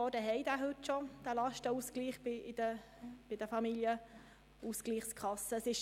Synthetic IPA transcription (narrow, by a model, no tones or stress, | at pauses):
ɔːdəɦɛɪdæːɦɵtʃɔd̪̥ælɑʃtəuskliːχbɪɪdə | b̥ɪd̥əfɑmiljə | usɡ̥liːχskʰɑsəsɪʃ